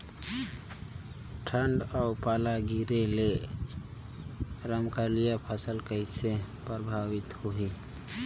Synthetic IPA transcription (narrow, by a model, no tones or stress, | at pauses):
ʈʰəɳɖaʊpalaɡiɾele | ɾəmkaɾlijapʰəsəlkəɪsepɾəbʱawɪt̪hoɦi